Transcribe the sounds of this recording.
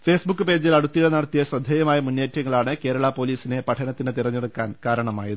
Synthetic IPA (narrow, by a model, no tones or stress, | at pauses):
fe̞ːsbukːɨpeːd͡ʑilɐɽut̪ːiɽɐnɐɽɐt̪ːijɐɕɐd̪ʱjeːjɐmaːjɐmunjeːtɾɐŋːɐɭaːɳɨke̞ːɾɐɭɐpo̞ːliːsine̞pɐʈʰɐnɐt̪ːinɨt̪irɐɲːeɽukːaːnkaːɾɐɳɐma̰ːjɐðɨ